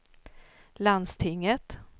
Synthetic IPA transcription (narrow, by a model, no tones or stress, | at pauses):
land̪st̪ʰɪŋːət̪